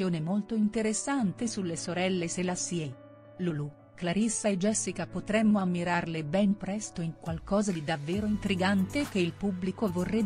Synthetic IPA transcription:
joːnemolt̪oint̪eɾesːant̪esulːesoɾɛlːeselasiɛ | lulu | klaɾisːaed͡ʒɛsːikapot̪ɾɛmːoamːiɾarlebɛnpɾɛst̪oiŋkwalkɔːzad̪id̪avːeːɾoint̪ɾiɡant̪ek̟eilpubːlikovorːɛ

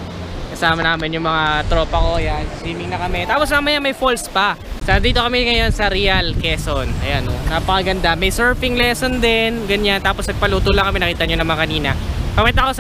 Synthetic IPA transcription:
kɐsaːmɐnaːmɪnjʊŋmɐŋat̪ɾo̞ːpɐkojansɪsiːmɪŋnɐkɐmɛt̪aːposmɐmɐjamɐjfolspɐsɐd̪iːt̪o̞kɐmɛŋɐjo̞nsɐɾiɐlkɛːsonʔɐ̰janonapɐkɐɡɐnd̪amɐjsɛɹfɪŋlɛːsond̪ɛnɡɐɲant̪aːposnɐɡ̚pɐluːt̪olɐŋkɐmɛnɐkiːt̪ɐɲonɐmɐŋakɐniːnɐpɐmʊnt̪ako

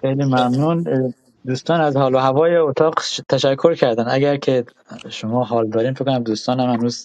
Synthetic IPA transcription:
xejliːmæmnuːn | d̪uːst̪ɒːnæzhɒːloɦævɒːjeot̪ʰɒːqt̪ʰæʃækʰːoɾcʰæɾd̪ænd̪æɡæɾkʰe | ʃomɒːɦɒːld̪ɒːɾiːnfekːonæmd̪uːst̪ɒːnhæmhænuːz

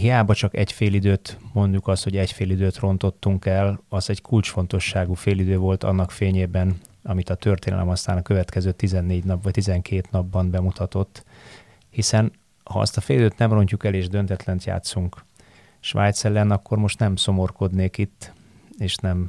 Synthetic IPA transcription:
ɦijaːbɒt͡ʃɒkɛ̰ɟfeːlid̪øːt̪mo̞nd̪ukɒst̪ho̞ɟɛcfeːlid̪øːt̪ro̞n̪t̪o̞t̪ːuŋkɛlɒzɛɟkʰult͡ʃfo̞nt̪o̞ʃːaːɡuːfeːlid̪øːvo̞lt̪ɒ̰nːɒkfeːɲeːbɛn | ɒmit̪ɒt̪ø̞rt̪eːnɛ̰lɛ̰mɒst̪aːnɒkø̞vɛt̪kɛzøːt̪izɛnːeːɟnɒpvɒct̪izɛŋkʰeːt̪nɒbːɒnbɛmut̪ɒt̪o̞t̪ː | hisɛn | hɒ̰ɒ̰st̪ɒfeːlid̪øːt̪nɛmro̞ɲcukɛleːʒd̪ø̞nt̪ɛt̪lɛnt̪ja̰ːt̪suŋk | ʃʋa̰ːjt̪sɛlːɛnɒkːo̞rmo̞ʃt̪nɛmso̞mo̞rko̞d̪neːkit̪ː | eːʃnɛm

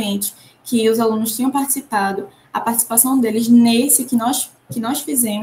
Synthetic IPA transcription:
ẽnt͡ʃɪ̥ | kɪʊzalũnʊsʃt̪ĩɲ̃ɐ̃w̃paɾt͡ʃi̥sipad̪ʊ | ɐpaɾt͡ʃi̥si̥pasɐ̃w̃d̪elɪznesɪkɪnɔs | kɪnɔsfizẽmʊ

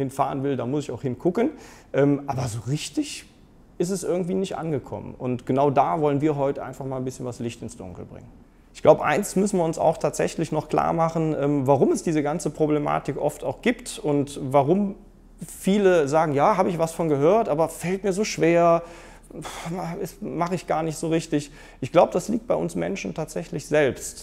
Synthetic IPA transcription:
hɪnfa̰ːʁ̞ənvɪldaːmʊsɪçaʊxhɪnkʰʊkənʔɛːmʔaːbɐzoːʁɪçtɪç | ʔɪs̬tɛsʔɪɐɡŋ̩tv̥iːnɪçtʔa̰nɡəkʰɔ̰mə̰nʊntɡ̥ənaʊdaːvɔlənviːɐɦɔʏtəʔa̰ɪnfaχmaːlnbɪsçənvaslɪçtɪnsd̥ʊ̰ŋkl̩bʁɪ̰ŋən | ʔɪçɡ̥laʊbəʔa̰ɪnsmʏsn̩viːɐʊnsa̰ʊxtʰaːtz̥ɛ̰çlɪçnɔχkl̥a̰ːɐmaχn̩ʔɛːmvaʁʊmɛsd̥iːzəɡant͡səpʁ̥oblema̰ːtɪkʔɔftaʊxɡ̥iːptʊntvaʁʊm | fiːləzaːɡŋ̩jaːhaːbəɪçv̥asfɔnɡəɦøːɐtʔaːbɐfɛlt̚miːɐzoːʃv̥eːɐ | aɛsmaχəɪçɡ̥aːɐnɪçtz̥oːʁɪçtɪç | ʔɪçɡ̥laʊbəd̥asliːktb̥aɪʔʊnsmɛ̰nʃn̩tʰaːtz̥ɛçlɪçz̥ɛlpst

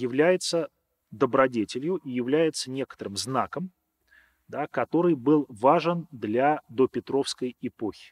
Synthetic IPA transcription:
jɪvlʲæjɪt̪sə | d̪əbɾɐdʲetʲɪlʲjʊʔijɪvlʲæjɪt̪sənʲe̞kə̥t̪əɾɨmznakəm | d̪akɐt̪o̞ɾɨjbɨlˠvaʐənd̪lʲad̪opʲɪt̪ɾo̞fskəjɪpo̞xʲɪ̥

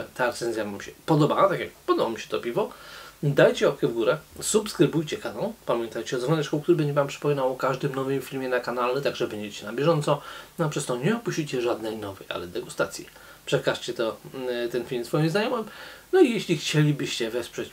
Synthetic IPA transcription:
t̪aɾɛt̪sɛnzʲjavamɕɛ̥pɔd̪ɔbawat̪akʲjak̚pɔd̪ɔbɔmʲiɕɛ̥t̪ɔpʲivɔd̪ajt͡ɕɛɔkʲɛvɡuɾɛsupskɾɘbujt͡ɕɛkanɔ̃l̃pamʲjɛnt̪ajt͡ɕɛɔzvɔnɛt͡ʂkɔ̃w̃kt̪uɾɘbɛɲd͡ʑɛvampʂɘ̥pɔmʲinawɔkaʐd̪ɘmnɔvɨmfʲilmʲjɛnakanalɛt̪aɡʐɛbɛɲd͡ʑet͡ɕɛnabʲjɛʐɔnt̪sɔnapʂɛst̪ɔɲɛɔpuʃɕt͡ɕit͡ɕɛʐad̪nɛjnɔvɛja̰lɛd̪ɛɡust̪at̪sʲjḭ | pʂɛkaʂt͡ɕɛt̪ɔt̪ɛnfʲilmsfɔjimznajɔmɘmnɔijeɕlʲixt͡ɕelʲibɘɕt͡ɕɛvɛspʂɛt͡ɕ

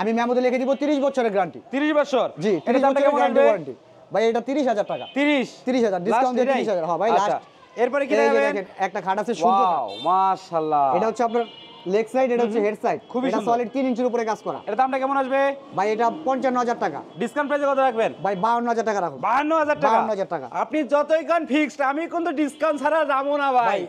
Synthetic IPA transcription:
amimɛmot̪elekʰed̪ibot̪iɾiʃbɔtːʃʰoɾeɾɡɾaɳʈit̪iɾiʃbɔʃʰoɾd͡ʑit̪iɾiʃabɔʈakoɾkɛɾɡɾaɳʈiekɔɾaɳʈi | bajeʈat̪iɾiʃɦad͡ʑaɾʈaka̰t̪iɾiʃt̪iɾiʃɦad͡ʑaɾɖisawnd̪ieiɾiʃɦad͡ʑaɾɦɔbʱajlaʃ | eɾpɔɾekieaebed̪ɛkenɛk̚ʈakʰaɖasʰeʃũemaʃalːaeʈaɦotːɕʰeapnaɾ | leksajɖeʈaɦot̪ːʰeɦeɖsajɖkʰubieʈasɔliɖ̚t̪inint͡ɕʰeɾup̬oɾekad͡ʑkɔɾa̰eʈat̪oamʈakɛmonaʃbebʱajeʈapɔɲt͡ɕanːoɦad͡ʑaɾʈaka̰ɖiskaw̃nʈpɾajzeɾkɔt̪oɾak̚benbʱajbaɦonːoɦad͡ʑaɾʈakaɾakʰobbaɦanːoɦad͡ʑaɾbʈaakaanːoɦad͡ʑaɾʈaka̰apnid͡ʑɔt̪ojkanpʰiksʈamikont̪oɖiskaw̃nsʰaɾazamonabʱaaj

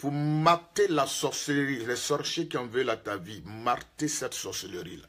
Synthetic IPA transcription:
puʁmaʁt̪elasɔʁsəlʁilɛsɔʁʃekiɔ̃vølat̪avimaʁt̪esɛt̪sɔʁsələʁila̰

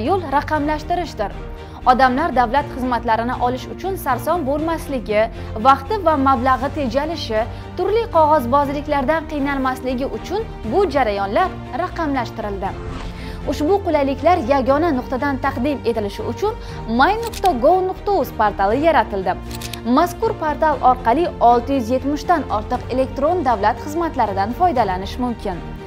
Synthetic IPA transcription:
jolˠɾaqʰɑmlaʃt̪ɪɾɪʃd̪ɪɾ | ɒd̪amlaɾd̪avlat̪χɨzmat̪laɾɪnɪʔɒlɪʃʊt͡ʃʰʊnsaɾsɒnbolˠmaslɪɡʲɪ | vɑqt̪ɪvamablaʁɨt̪ʰe̞d͡ʒalɪʃɪ | t̪ʊɾlɪqʰɒʁɒzbɒzlɪkʲlaɾd̪anqɨjnalmaslɪɡʲɪʔʊt͡ʃʰʊn | bʊd͡ʒaɾajɒnlaɾ | ɾaqɑmlaʃt̪ɪɾɪld̪ɪ | ʊʃbʊqʊlajlɪkʲlaɾjaɡɒnanʊqt̪ad̪ant̪ʰɑqd̪ɪme̞t̪ɪlɪʃɪʊt͡ʃʰʊn | majnʊqt̪aɡowˠnʊqt̪ouspaɾt̪alˠɪjaɾat̪ɪld̪ɪ | maskʊɾpʰaɾt̪alˠʔɒɾqɑlˠɪɒlˠt̪ɪjʏzje̞t̪mɪʃd̪anɒɾt̪ɨqe̞le̞k̚t̪ɾo̞nd̪avlat̪χɨzmat̪laɾɪd̪anfɒjd̪alanɪʃmʊmkʲʰɪn

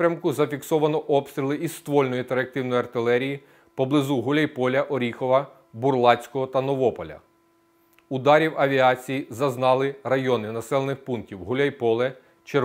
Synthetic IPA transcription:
pɾʲɐmkʊzɐfʲiksɔʋɐnɔʔɔpst̪ʲɾʲilˠɪist̪ʋɔlʲnɔjit̪eɾɐk̚t̪ɪwnɔjɐrt̪ɪlˠɛɾʲiji | pɔblˠɪzuɦʊlʲɐjpɔlʲɐʔɔɾʲixɔʋɐ | bʊrlˠɑsʲkɔɦɔt̪ɐnɔʋɔpɔlʲɐ̰ | ʊd̪ɑɾʲiwɐʋʲiɑt͡sʲijizɐznɑlˠɪrɐjɔnɪnɐsɛlˠenɪxpunktʲiwɦʊlʲɐjpɔlˠɛ | t͡ʃe

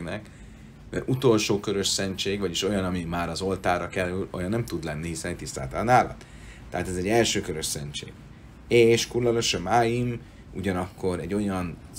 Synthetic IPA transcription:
nɛk | mɛ̰ɾʔut̪o̞lʃoːkø̞ɾøʃsɛɲt͡ʃeːɡvɒɟiʃo̞jɒnɒmimaːɾɒzo̞lt̪aːrɒkɛlːylo̞̰jɒnːɛmt̪ud̪lɛnːiɦisɛnɛt̪ist̪a̰ːt̪ɒlɒnaːlɒ̰t̪ː | ɛɦaːt̪ɛzɛɟːɛlʃøːkøɾø̞ʃsɛɲt͡ʃḛːɡ̥ | eːʃkurlɒloʃømaːjim | ṵɟɒnɒkːo̞ɾɛɟːo̞jɒn

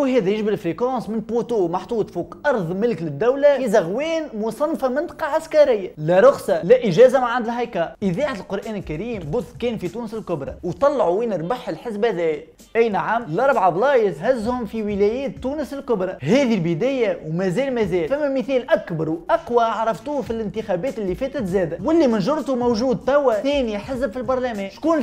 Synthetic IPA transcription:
ɦɛːðɛjɪʒbɪlfɾikɑ̃ːsmɪnpɾut̪uːmɑħt̪ˤuːt̪ˤfuːqʔɑɾˤðˤmɪlklɪd̪ːæwlæizɑɣwɛːnmʊsˤɑnːfamɪnt̪ɑ̥qɑʕaskɑɾɪjːalæɾˤʊxsɑlæʔɪʒɛːzamaʕand̪ɪlɦɑjkɑʔɪðæːʕat̪əlqʊɾˤʔæːnɪlkæɾiːmbʊðkɛːnfit̪uːnəsɪlkʊbɾˤɑ̰wt̪ˤɑlːʕuwiːnəɾˤbaħːəlħɪzbæðɛː | ʔæjnaʕamːlɑɾˤbʕablɑːjəshæzːhʊmfiwɪlɛjɛːt̪ːuːnəsɪlkʊbɾˤɑhɛːðilbɪd̪æːjawmæzɛːlmæzɛːlfæmːæməθɛːlʔækbɑɾˤwʔɑqwaʕɾˤɑft̪uːfilɪnt̪ɪxæbɛːt̪ɪlːifɛːt̪ɪt̪zɛːd̪æwɪlːimɪnʒʊɾˤt̪umowʒuːd̪̚t̪æwːæθɛːniħɪzbfilbɑɾˤlæmɛːʃkuːn

